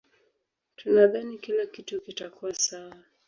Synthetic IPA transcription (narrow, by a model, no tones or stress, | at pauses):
tunaðanikilakitukitakuwasaa